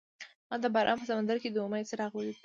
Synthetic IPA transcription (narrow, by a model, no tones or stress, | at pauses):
mɑd̪əbɑɾʔɑ̰mpəsamand̪aɾked̪əuməjt͡səɾɑɣwəli